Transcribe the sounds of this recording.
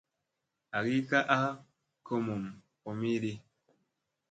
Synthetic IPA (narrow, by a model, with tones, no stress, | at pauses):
a˨ɡi˦ka˦ʔa˦ | kə˦mo˨m | po˨mi˦ɾi˦